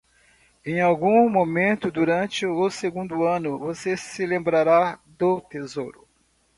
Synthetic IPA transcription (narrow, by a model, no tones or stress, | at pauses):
ẽj̃awɡũmomẽnt̪ʊd̪uɾɐ̃t͡ʃɪoseɡũnd̪ʊɐ̃nʊvosesɪlẽmbɾaɾad̪ʊt̪ezoɾʊ